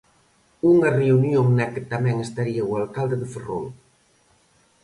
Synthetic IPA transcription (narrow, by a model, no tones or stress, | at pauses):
uŋareunjoŋnɛkət̪amɛŋest̪aɾiawalˠkalˠd̪eðefero̰l